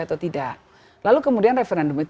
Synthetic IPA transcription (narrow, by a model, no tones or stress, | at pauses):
at̪awt̪idaʔ | lalukəmudianrefeɾɛndɔmit̪